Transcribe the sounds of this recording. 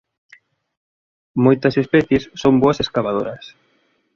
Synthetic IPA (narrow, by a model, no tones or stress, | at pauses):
mojt̪ɐsespɛθjesːoŋboɐseskaβaðo̰ɾɐs